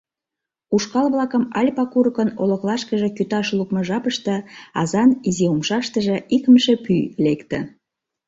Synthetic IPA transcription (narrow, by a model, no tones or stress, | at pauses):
uʃkɑlβlɑkəmɑlʲpɑkuɾəkənolŏklɑʃkəʒĕkyt̪ɑʃlukmə̆ʒɑpəʃt̪ə̆ɑzɑniziumʃɑʃt̪əʒĕʔikəmʃepylekt̪ə̆